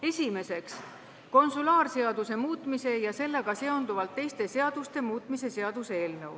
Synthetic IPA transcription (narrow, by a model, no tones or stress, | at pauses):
e̞sʲime̞se̞ks | ko̞nsulɑːrse̞ɑd̪use̞muːt̪ˑmise̞jɑse̞lːeɡ̥ɑse̞o̞nd̪uvɑlt̪ːe̞jst̪e̞se̞ɑd̪̥ust̪e̞muːt̪ˑmise̞se̞ɑd̪̥useeːlnɤw